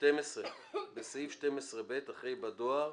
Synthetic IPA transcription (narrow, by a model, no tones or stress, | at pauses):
ʃtemesʁe | besaifʃtemesʁebetaχʁejbad̪oaʁ